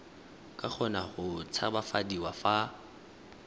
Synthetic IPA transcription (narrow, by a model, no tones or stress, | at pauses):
kʼak͡xʰɔnaχʊt͡sʰabafadiwafa